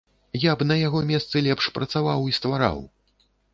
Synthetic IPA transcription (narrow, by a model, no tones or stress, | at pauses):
jabnɐjaɣɔmʲɛst̪sɨlʲɛpʂpɾɐt̪savawist̪vaɾa̰w